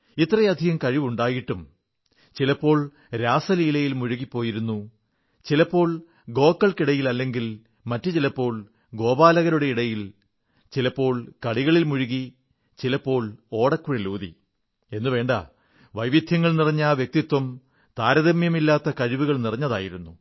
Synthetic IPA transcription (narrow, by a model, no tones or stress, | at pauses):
it̪ːrɐjɐd̪ʱiɣɐmkɐɻiʋuɳɖaːjiʈːum | t͡ɕilɐpːo̞ːɭ | ɾaːsɐliːlɐjilmuɻuɣipːo̞ːjiɾunːu | t͡ɕilɐpːo̞ːɭ | ɡo̞ːkːɐɭkiɽɐjilɐlːe̞ŋɡil | mɐtːɨt͡ɕilɐpːo̞ːɭ | ɡo̞ːbaːlɐɣɐɾuɽe̞iɽɐjil | t͡ɕilɐpːo̞ːɭkɐɽiɣɐɭilmuɻuɣi | t͡ɕilɐpːo̞ːɭoːɽɐkːuɻeluːðḭ | e̞nːuʋe̞ːɳɖɐ̰ | ʋɐjʋid̪ʱjɐŋːɐɭnirɐɲːaʋjek̚t̪it̪wɐm | t̪aːɾɐðɐmjɐmilːaːt̪ːɐkɐɻiʋuɣɐɭnirɐɲːɐða̰ːjiɾunːu